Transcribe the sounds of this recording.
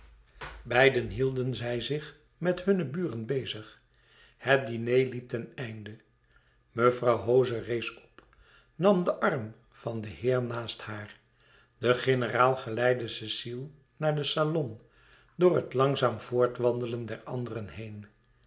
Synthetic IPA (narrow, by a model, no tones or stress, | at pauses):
bɛjdənɦilˠdənzɛjzɪχ | mɛthɵnəbyːrənbejzəχ | hət̚dinejlip̚tɛnɛjndə | məvrɑwɦowzərejsɔ̥p | nɑmdəʔɑrm | vɑndəhɪːɹnaːsthaːɹ | dəχɪnəraːlˠχəlɛjdəsɪsilˠ | naːɹdəsalɔn | dʊːɹɦətlɑŋzaːmv̥ʊːɹtʋɑndələndɛɹɑ̰ndərənɦejn